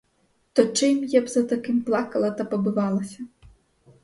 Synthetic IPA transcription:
t̪ɔt͡ʂɪmjabzɐt̪ɐkɪmplˠakɐlˠɐt̪ɐpɐbɨʋalˠɐsʲɐ

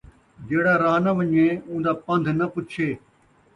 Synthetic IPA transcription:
d͡ʒeːɽaːɾaːnɐʋəɲẽːũːnd̪aːpɐ̃nd̪ʱnɐpʊtt͡ʃʰeː

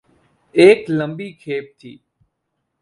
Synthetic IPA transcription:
eːkləmbiːkʰeːp̚t̪ʰḭː

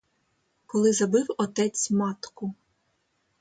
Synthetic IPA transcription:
kɔlˠɪzɐbɪwɔt̪ɛt͡sʲmɑt̪kʊ

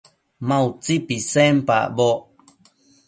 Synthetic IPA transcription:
mãut͡sipisempa̰bo

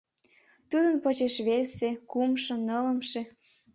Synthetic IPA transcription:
t̪ud̪ənpot͡ɕeʃβesekumʃɤ̆nːələ̆mʃe

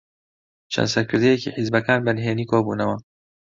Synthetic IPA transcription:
t͡ʃʰɐ̰nsɐɾkʰɨɾd̪ejekiħizbɐkaːnbɐnɦeːniːkʰoːbuːnɐwa

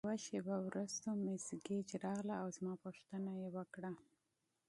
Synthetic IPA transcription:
waʃebawɾust̪omɪsɡed͡ʒɾɑɣlaːwzmɑpoʃt̪ənajewəkɽa

